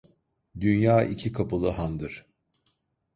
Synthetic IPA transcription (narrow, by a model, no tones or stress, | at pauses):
d̪ynjaːʔicʰikʰapɯlˠɯɦand̪ɯɾ̥